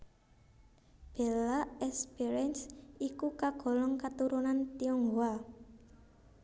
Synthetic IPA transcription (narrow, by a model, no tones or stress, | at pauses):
b̥e̤laʔɛspɛɾɛnsikukaɡ̥ɔ̤lɔŋkat̪uɾunant̪iɔŋɡoa